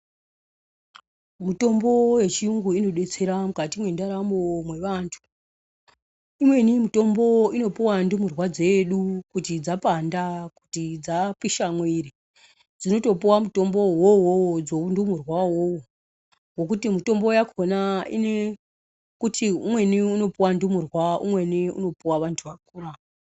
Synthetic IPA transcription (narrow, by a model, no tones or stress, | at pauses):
muto̞mbo̞je̞t͡ʃiuŋɡuino̞ɗe̞t͡se̞ɾamukatimwe̞ndaɾamomwe̞ʋaːntʰu̥ | imwe̞nimito̞mbo̞ino̞piwandumurwad͡ze̞ɗukutid͡zapandaku̥tid͡zapiʃamweɾi | d͡zino̞to̞piwamuto̞mbo̞wowowd͡zoundumurwawowo | ɡo̞k̬utimito̞mbo̞jakʰonaḭne | kutʰiumwe̞niuno̞piwandumurwaʔṵmwe̞niṵno̞puwaʋantʰuʋak̚uːra